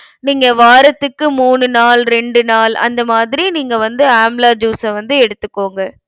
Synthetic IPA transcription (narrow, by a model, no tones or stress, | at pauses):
niːŋɡɐʋaːɾɐt̪ːɯkːɯmuːɳɯnaːlɾɛɳɖɯnaːlɐ̰nd̪ɐmaːðɪɾiniːŋɡɐʋɐnd̪ɯaːmlaːd͡ʒjuːsɐʋɐnd̪ɯɛɽɯt̪ːɯkːoːŋɡɐ